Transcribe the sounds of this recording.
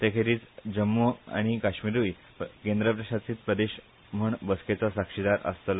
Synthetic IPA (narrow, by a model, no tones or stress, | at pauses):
t̪ekʰeɾiːt͡sd͡ʑəmːua̰ɽ̃ikaɕmiɾui | kẽnd̪ɾəpɾəɕat͡siːt̪̚pɾəd̪eɕ | m̤əɳbəsket͡sasakʂid̪aɾə̰st̪əl